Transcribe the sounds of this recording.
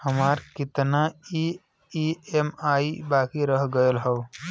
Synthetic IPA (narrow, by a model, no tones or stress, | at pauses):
həmaːɾkɪt̪nai | iemaːibaːkiɾəɦɡəjəlɦəw